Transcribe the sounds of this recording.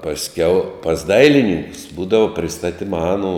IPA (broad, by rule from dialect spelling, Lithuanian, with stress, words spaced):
pɐsʲˈkʲɛʊ pɐs ˈdɐɪlʲɪnʲiːŋkʊs ˈbuːdɐʋoː pʲrʲɪˈstɑːtʲɪmɐ ˈɑːˌnuː